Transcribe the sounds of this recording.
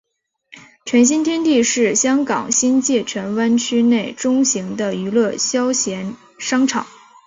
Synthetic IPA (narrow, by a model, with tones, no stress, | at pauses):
t͡ɕʰɥɛ˧˥nɕ̬i˥nt̪ʰjɛ˥nt̪i˥˧ʂɻ̩˥˩ɕjɑ˥ŋkɑ̰˨˩ŋɕi˥nt͡ɕjɛ˥˩t͡ɕʰɥɛ˧˥nwa˥nt͡ɕʰy˥ne˥˩ɪʈ͡ʂʊ˥ŋɕi˧˥ŋd̪ə˧y˧˥lwɤ˥˩ɕjɑ˥ʊɕjɛ˧˥n | ʂɑ˥ŋʈ͡ʂʰɑ̰˨˩˦ŋ